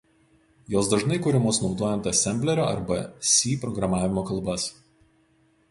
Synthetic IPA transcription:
joːsd̪ɐʒnɐɪkʊɾʲɪmoːsnɒʊd̪oːjɛnt̪ɐsʲɛmʲbʲlʲɛɾʲoːɐ̰ɾbɐsʲiːpɾɔɡɾɐmɑːʋʲɪmoːkɐlˠbɐs

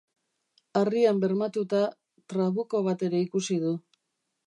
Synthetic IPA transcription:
ariambe̞ɾmat̪ut̪a | t̪ɾaβuko̞β̞at̪e̞ɾe̞ikusið̞u

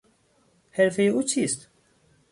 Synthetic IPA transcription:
hɛɾfejut͡ʃʰist̪

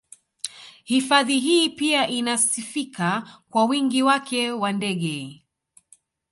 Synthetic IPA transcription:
hifaðiɦiːpiaʔinasifikakwawiŋɡiwakʰɛwandɛɠɛ

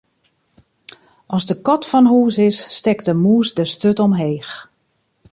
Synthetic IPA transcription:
ʔɔsdəkɔtfɔnɦuːsɪsːtɛktəmuːsdəstøtɔmɦeːx

